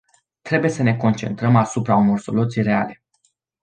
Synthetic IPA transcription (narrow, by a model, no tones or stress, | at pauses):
t̪ɾe̞buje̞səne̞ko̞nt͡ʃe̞nt̪ɾəmasupɾauno̞rso̞̰lut̪sijɾe̞ale̞